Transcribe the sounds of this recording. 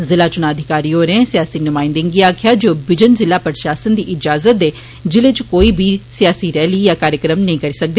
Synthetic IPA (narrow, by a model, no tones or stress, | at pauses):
zɪlaːt͡ʃʊnaːd̪ʱɪkaːɾiːoːɾẽːsɪjaːsiːnʊmaːɪ̃nd̪ɪŋɡiaːkʰɪjaːd͡ʒoːbɪd͡ʒənzɪlaːpəɾʃaːsənd̪iːʔɪd͡ʒaːzət̪̚d̪eː | d͡ʒɪleːt͡ʃkoːiːbʱiːsijaːsiːɾɛːliːjaːkaːɾjəkɾəmnɐɦĩːkəɾiːsək̚d̪eː